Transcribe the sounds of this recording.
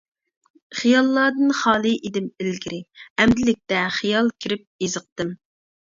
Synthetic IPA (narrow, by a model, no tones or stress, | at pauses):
χijɑlˠːɑːd̪ɨnχɑːlˠɨʔid̪ɪmɪlɡʲiɾɪɛmd̪ɪlɪk̚ʲt̪ɛχijɑlˠkʲʰiɾɪp̚jezɨq̚t̪ɨm